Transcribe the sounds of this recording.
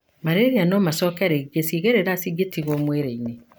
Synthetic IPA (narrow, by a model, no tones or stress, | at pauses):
maɾeɾianɔmasɔːkɛɾeɡesiɣeɾeɾasiɡetiɣwɔmweɾeine